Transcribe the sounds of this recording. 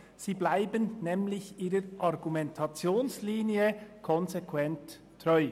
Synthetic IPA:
z̥iːblaɪbənnɛːmlɪçiːɾəɾʔɑɾɡumɛntʰɑt͡sjoːnsliːniəkʰɔnzekʰwɛntʰː | ʁɔʏ

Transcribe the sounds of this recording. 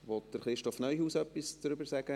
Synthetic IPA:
ʋɔt̚d̥əɾχɾɪʃtɔfnœʏhuːsœpːist͡sɾʏbəɾsæɡ̥ə

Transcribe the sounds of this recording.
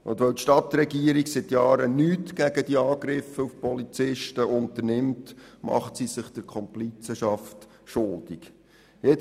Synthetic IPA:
ʔʊ̰nd̪ʋœwtʃtɑt̪rɛɡiəɾiɡsɪtjɑːɾənyːtɡæɡəd̥iɑːɡɾɪfəufpɔlit͡sɪʃtəʔʊnt̪ərnɪmtmɑ̰χtsisɪχd̥əɾkʰɔmplit͡səʃɑft | ʃʊld̪̥ik | jɛ

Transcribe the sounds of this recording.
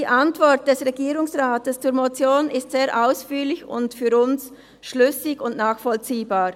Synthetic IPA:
d̥iːʔantv̥ɔʁt̚d̥ɛsʁeɡiːʁʊŋsʁaːtəst͡suːɐɾmot͡sjoːnɪstz̥eːʔaʊsfyːlɪçʊ̰ntfyːɾʊns | ʃlʏsɪɡʊntnaːχfɔlt͡siːbaːʁ

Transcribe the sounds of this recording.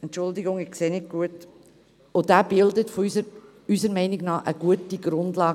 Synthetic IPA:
ɛntt͡ʃʊldɪɡʊŋɪkseːnɪk̚ɡ̥uət | od̥æːbɪldətfoys | ysəɾmɛɪnɪɡnɑːʔəɡ̥uətiɡ̥ɾʊndlɑː

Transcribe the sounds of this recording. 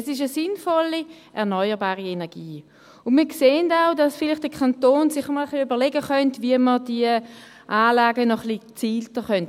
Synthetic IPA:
ɛsɪʃəsɪnfɔlːi | ʔɛɐnɔʏəʁbaːʁienɛɐɡ̥iː | ʊnmiːɐkseːəndaʊdɑsfɪlɪχtd̥əkʰantoːnsɪχəmɔləχliøbəʁlɛɡəχœntviəməd̥iə | ʔaːlaːɡənɔχlit͡siːltəχœnt

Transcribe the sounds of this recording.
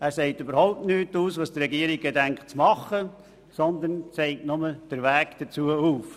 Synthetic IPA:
æːɾsɛɪtybəɾhɔʊp̚tnyːtuːsʋɑːsd̥̪ərɛɡiəɾiɡ̚ɡedæŋkχt͡smɑχə | sɔnd̪ənsɛɪtnʊməd̥əɾʋæːkd̥ət͡suəuːf

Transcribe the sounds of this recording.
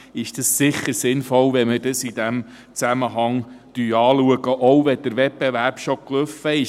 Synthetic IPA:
ɪʃd̥əssɪχːəɾsɪnfɔlʋɛmədəsid̥æm | t͡sæməɦɑŋd̥yːɑːluəɡəʔɔwvɛd̥əɾʋɛpbɛvæɾpʃokløfəɪ

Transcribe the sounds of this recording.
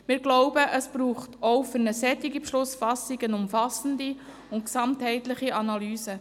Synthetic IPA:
mɪːɾɡlɔʊbəʔəsb̥ɾuːχtoʊfʏɾnəsɛtːiɡipʃlʊsfɑsiɡənʊmfɑsəndi | ʊntksɑmthɛɪtlɪχiʔɑnɑlyːsə

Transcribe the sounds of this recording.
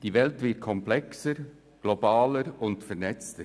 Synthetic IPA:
d̥iːvɛltvɪt̚kʰɔmplɛksəɾ | ɡ̥lobaːləɾʊndfɛɾnɛt͡stə

